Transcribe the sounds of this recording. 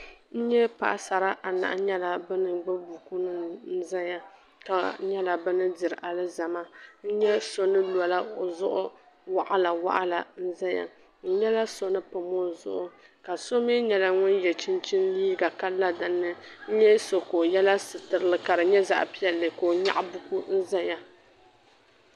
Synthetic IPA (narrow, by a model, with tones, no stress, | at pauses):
n̩˦ɲɛ˦pa̰˨ʔa˨sa˨ɾa˦ʔa˨na̰˨ʔɲɛ˦la˨bɨ˦nɨ˨ɡ͡bɨ˦bu˨ku˦nɨ˦n̩˦za˦ja˨ | ka˨˦ɲɛ˦la˨bɨ˦nɨ˦di˨ɾɨ˨ʔa˨lɨ˦za˨ma˦n̩˦ɲɛ˦so˦nɨ˦lɔ˨la˦˨zʊ˦ʔʊ˦ | wa˨ʔa˦la˨wa̰˦ʔa˦la˨n̩˦za˦ja̰˨ | n̩˦ɲɛ˦la˦so˦nɨ˦pɨ˨mo˦zʊ̰˨ʔʊ˨ | ka˨so˦me˦ɲɛ˨la˦ŋʊ˦njɛ˨t͡ʃi˦nt͡ʃi˦nliː˦ɡa˨ka˦la˦dɨ˨nːɨ˦n̩˦ɲɛ˦so˨ko˨jɛ˦la˦sɨ˨tɨ˨ɾɨ˦lɨ˦ka˨ɾɨ˨ɲɛ˦za̰˨ʔpi˦jɛ˨lːɨ˨ko˨ɲa̰˦ʔbu˦ku˦n̩˦za˦ja˨